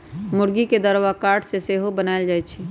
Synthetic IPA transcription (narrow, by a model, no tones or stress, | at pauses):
mʊɾɡiked̪əɾwakaːɾʈseseːɦobənaːeld͡ʒaːet͡ʃʰi